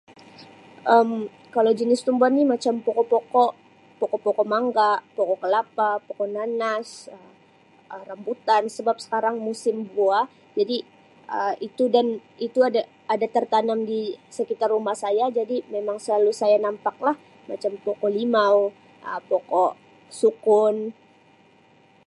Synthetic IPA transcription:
ʔəm | kalawd͡ʒənɪst̪umbuanːɪmat͡ʃampɔkɔpɔkɔʔ | pɔkɔpɔkɔmaŋɡapɔkɔkəlapapɔkɔʔnanasə | ərambut̪ansəbap̚sə̥kaɾaŋmusɪmbua | d͡ʒadi | əit̪udanit̪uada | adat̪ərt̪anamdisəkit̪arːumahsajad͡ʒadimemaŋsəlalusajanampak̚lah | mat͡ʃampɔkɔlimaw | ʔəpɔkɔʔ | sukʊn

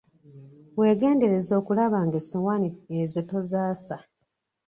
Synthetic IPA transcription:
we̞ːɡe̞ːnde̞ɾe̞zo̞ːkulaβaŋɡesowaniezoto̞zaːsa

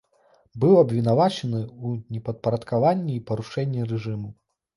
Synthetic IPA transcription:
bɨwɐbvʲinavat͡ʂɐnɨunʲɛpɐt̪̚pɐɾɐt̪kavanʲːiipɐɾuʂɛnʲːiɾɛʐɨmu

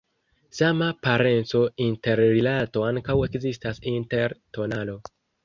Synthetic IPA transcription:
samapaɾe̞nt͡so̞inte̞ɾɾilato̞aŋkawe̞kzistasinte̞ɾto̞nalo̞

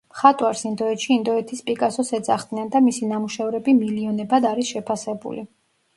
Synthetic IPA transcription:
mχat̪ʼwaɾsind̪ɔɛt̪ʃiːnd̪ɔɛt̪ʰispʼikʼasɔsɛd̪zaχd̪nɛnd̪amisinamuʃɛvɾɛbimiliɔnɛbad̪aɾisʃɛpʰasɛbṵli

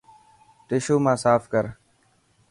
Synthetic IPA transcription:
ʈɪʃuːmãːsaːfkəɾ

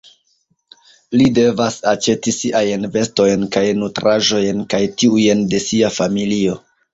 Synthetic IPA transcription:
lide̞vasat͡ʃe̞tisiʔajnve̞sto̞jnkajnutɾʔaʒo̞jnkajtiujnde̞siafamilio̞

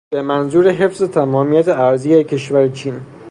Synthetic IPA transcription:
b̥e̞mænzuːɾeɦe̞fzet̪ʰæmɒːmijæt̪ʰeæɾziːjækʰe̞ʃvæɾet͡ʃʰiːn

